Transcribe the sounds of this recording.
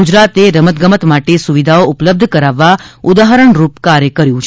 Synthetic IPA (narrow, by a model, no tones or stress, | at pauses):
ud͡ʒɾat̪eɾəmət̪ɡəmət̪maʈesuʋid̪ʱaoʊpləb̚d̪ʱkəɾaʋːaʊd̪aɦəɾəɳɾupkaɾjəkəɾjũt͡ʃʰ